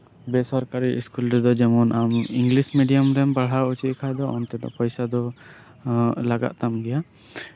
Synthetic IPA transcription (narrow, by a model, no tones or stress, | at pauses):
bɛsɔɾkaɾiʔiskulɾɛd̪ɔd͡ʒɛmɔnʔamiŋɡlismiɖijamɾɛmbaɽ̤ɦaut͡ʃit̪̚kʰad̪ɔɔnt̪ɛd̪ɔ̰ʔpɔjsad̪ɔ | laɡa̰ʔ̪̚t̪amɡɛja